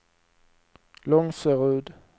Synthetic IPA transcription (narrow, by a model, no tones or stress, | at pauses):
lɔŋsəʁʉːd̪